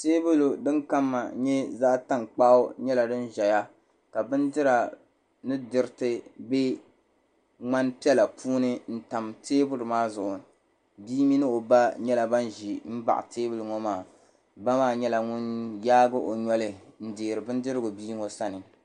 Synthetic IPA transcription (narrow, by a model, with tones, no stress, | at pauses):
teː˦bʊ˦lo˨dɨ˦nka˦mːa˨ɲɛ˦za˦ta˦ŋk͡pa˦ʊ˦ɲɛ˦la˨dɨ˦n˦ʒɛ˨ja˦ | ka˨bɨ˦ndɨ˦ɾa˨ | nɨ˦dɨ˨ɾɪ˦tɨ˦be˦ | ŋ͡ma˦npi˦ɛ˦la˨pʰuː˦nɨ˦n̩˦ta˨mtʰeː˦bʊ˦lɨ˨maː˦zʊ˨ʔʊ˨ | biː˦mi˦nɨ˦o˨ba˦ɲɛ˦la˨ba˦n˦ʒi˨m̩˦ba̰˨ʔa̰˨tʰeː˦bʊ˦lɨ˨ŋɔ˦maː˨ | ba˦maː˦˨ɲɛ˦la˨ŋʊ˦njaː˦ɡʊ˦ʔo˨ɲɔ˦lɨ˦n̩˦deː˨ɾɨ˨bɨ˦ndɨ˦ɾɨ˦ɡʊ˨biː˦ŋɔ˦sa˦nɨ˨